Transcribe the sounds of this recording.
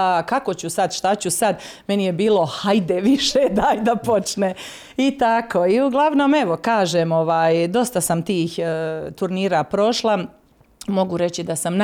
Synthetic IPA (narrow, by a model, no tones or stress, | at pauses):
kako̞t͡ɕusad̪ʃt̪at͡ɕusad̪me̞nijebiːlˠo̞hajd̪eʋiʃed̪aajd̪apo̞t͡ʃne | it̪akʰo̞ːiuɡlˠaʋnoːme̞ʋo̞kaːʒeːmo̞ʋaːjd̪o̞st̪asamt̪iːxt̪uɾniːɾaːpɾo̞ʃlˠa | mo̞ɡuɾe̞t͡ɕid̪asamn